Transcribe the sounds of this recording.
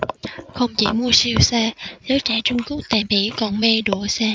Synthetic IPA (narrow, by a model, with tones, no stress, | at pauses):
xə˧wŋ͡mt͡ɕḭ˧˩mu˧əsi˧wsaː˧zəː˨˦jt͡ɕɛː˧˩t͡ɕʊ˧ŋ͡mku˦˥ək̚t̪a˨˩ɓḭ˧˩kɔ˨˩nme˧ɗu˧˩əsaː˧